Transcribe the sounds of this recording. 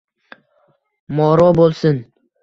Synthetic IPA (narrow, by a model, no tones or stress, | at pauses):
mɒɾɒbolˠsɪn